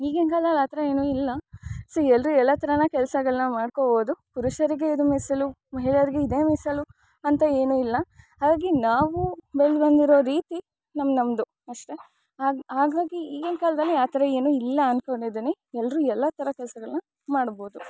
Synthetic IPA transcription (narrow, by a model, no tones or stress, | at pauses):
iːɡenkaːlɐd̪ɐlaːt̪ɐɾɐe̞ːnuilːɐsoːɛlɾuɛlːɐt̪ɐɾɐnɐkɛlsɐɡɐɭɐnɐmaːɖkoboːd̪upuɾuʃɐɾiɡe̞id̪umisɐlu | mɐɦiɭɐɾiɡeid̪eːmisɐlu | ɐnt̪ɐe̞ːnuilːɐɦaːɡaːɡinaːʋubeɭd̪bɐnd̪iɾoːɾiːt̪i | nɐmːnɐmd̪u | ɐʂʈe̞ | ɦaːɡaːɡiiːɡenkaːlɐd̪ɐlːiaːt̪ɐɾɐe̞ːnuːilːɐːnkoɳɖid̪ini | ɛlːɾuɛlːɐt̪ʰɐɾɐkɛlsɐɡɐɭɐnɐ | maːɽboːd̪u